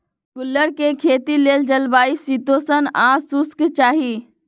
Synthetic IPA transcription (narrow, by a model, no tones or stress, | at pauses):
kʊlːəɽkekʰeːt̪ileːld͡ʒəlbaːisit̪osənãːsuskt͡ʃaːɦi